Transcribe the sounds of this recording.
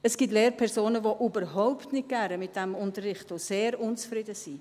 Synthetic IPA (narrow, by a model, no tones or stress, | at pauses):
əsɡ̥it̬leːɾpʰɛsoːnəvoʔybəɾɦɔʊptnɪt̚ɡ̥æɾəmɪt̚d̥ɛmʊntərːɪχtoseːɾʊnt͡sfrɪdəsi